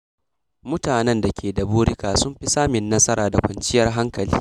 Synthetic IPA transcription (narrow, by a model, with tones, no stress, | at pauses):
mʊ˦taː˨nɛ˦nda˨kʲeː˨da˨buː˦ɽɪ˦kaː˨sʊ˦mɸɪ˦saː˦mɪ˨nːɐ˦sɐ˦ɾaː˨da˨kʷɐ˨nt͡ʃɪ˦jɐ˦rɦa˦ŋkɐ˨lḭː˦